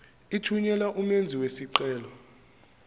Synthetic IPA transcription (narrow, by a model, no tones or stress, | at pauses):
itʰuɲɛlaʔumend͡zʱiwesiǃɛːlɔ